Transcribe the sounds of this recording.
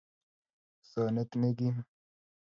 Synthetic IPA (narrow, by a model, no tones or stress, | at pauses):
saːnet̪neɡi